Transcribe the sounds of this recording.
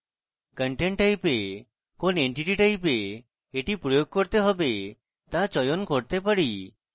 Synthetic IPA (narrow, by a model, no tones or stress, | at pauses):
kəɳʈeɳʈajpe | koneɳʈiʈiʈajp̬e | eʈipɾojoɡ̚koɾt̪eɦɔbe | t̪at͡ʃɔjonkoɽt̪epaɽi